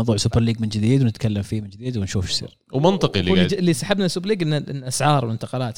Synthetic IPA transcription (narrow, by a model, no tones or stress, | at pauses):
wðˤuːʕsʊpɑɾˤliːɡmɪnd͡ʒɪd̪iːd̪wnɪt̪kalːamfiːmɪnd͡ʒɪd̪iːd̪wɪnʃuːfʃsˤḭːɾ | wmɪnt̪ˤɨqiliilːisaħabnasːub̬ɑɾliːɡʔɪnːaʔɪ̰nːʔasʕɑːɾˤwɪnt̪ɑqɑlaːt̪